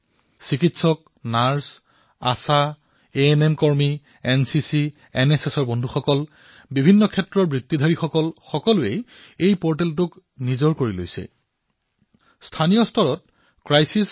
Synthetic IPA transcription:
sikitsɔk̚ | naɹs | a̰sa | eenemkɔɹmi | ɛnsisi | ɛnesesɔɹbɔndʱuxɔkɔl | bibʱinːɔkʰɛtːɹɔɹbɹitːid̪ʱaɹixɔkɔlxɔkɔlʊej | ejpɔɹt̬ɛlt̬ʊk | nizɔɹkoɹilo̰jsɛ̰ | stʰanijɔstʰɔɹɔt̚ | kɹajsis

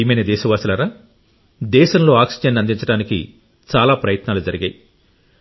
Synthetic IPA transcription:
iːmɐjnɐd̪ɛːʃɐʋaːsulɐɾaː | d̪ɛːʃɐmlo̞ːaːksid͡ʒɐnːɐnd̪iɲt͡ʃɐɽaːnikḭ | t͡ʃaːlaːpɾɐjɐt̪naːlud͡ʒɐɾiɡɐ̰ːji

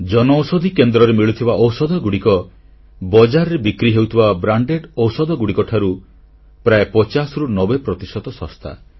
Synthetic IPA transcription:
d͡ʒɔnɔwsɔd̪ʱikend̪ɾɔɾemiɭut̪ʰibaʔɔwsɔd̪ʱɔɡuɽikɔ | bɔd͡ʒaɾɔɾebikɾiɦewt̪ʰibabɾaɳɖeɖɔwsɔd̪ʱɔɡuɽikɔʈʰaɾu | pɾaepɔt͡ʃasɔɾunɔbepɾɔt̪isɔt̪ɔsɔ̃st̪ʰa̰

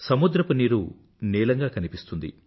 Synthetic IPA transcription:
sɐmud̪ɾɐpɐniːɾu | niːlɐŋɡaːkɐnipist̪und̪ḭ

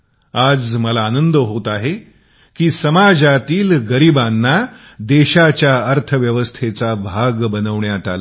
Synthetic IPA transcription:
ad͡zməlaːnənd̪əɦot̪aɦe | kiːsəmad͡zat̪iːlɡəɾibanːa | d̪eɕat͡ɕjaəɾt̪ʰəʋjəʋəst̪ʰet͡sabʱaɡbənəʋɳjat̪a̰la

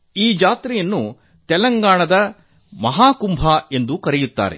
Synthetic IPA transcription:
iːd͡ʒaːt̪ɾijɐnːu | t̪ɛlɐŋɡaːɳɐd̪ɐ | mɐɦaːkumbʱaːe̞nd̪ukɐɾɛjut̪ːa̰ːɾḛ

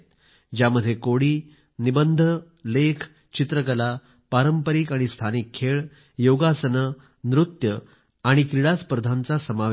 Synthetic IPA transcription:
d͡ʑjaməd̪ʱːjekoɽiː | nibənd̪ʱə | lekʰ | t͡ɕit̪ɾəkəla | paɾəmpəɾikaɽ̃ist̪ʰanikʰːeɭ | joɡasənə | nɾut̪jə | aɽ̃ikɾiɽaspəɾd̪ʱant͡sasəmaʋ

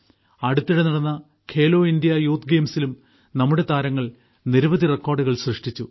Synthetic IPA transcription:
ɐɽut̪ːiɽenɐɽɐnːɐ | kʰe̞ːlo̞ːindijɐjuːt̪ɡeːmsilum | nɐmːuɽe̞t̪aːɾɐŋːɐɭ | niɾubɐðirekːo̞ːrɖuɣɐɭɕrɨʂʈit͡ɕːu

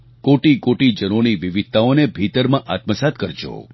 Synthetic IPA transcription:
koʈikoʈid͡ʒənoniʋiʋid̪̚t̪aonebʱit̪əɾmãʔat̪məsat̪kəɾd͡ʒo̰

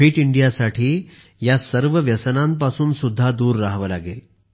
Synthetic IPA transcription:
iːʈiɳɖijasaʈʰiː | jasəɾʋəʋjəsənãmpasuːnsud̪ʱːad̪uːɾːaɦʋəlaɡel

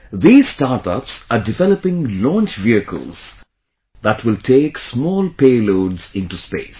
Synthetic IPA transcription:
d̪iːzsʈaːɾʈə̰psaɖɪʋɛləpɪ̃ŋlɔ̃ːnt͡ʃʋiəkʰə̰lˠz̥ | d̪æʈʰʋɪlʈʰeːksmɔːlpeːloːɖz̥ɪ̃nʈuspḛːs

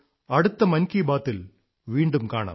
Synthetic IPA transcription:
ɐɽɯt̪ːɐmɐnkibaːt̪ːɪl | ʋiːɳɖɯmkaːɳa̰ːm

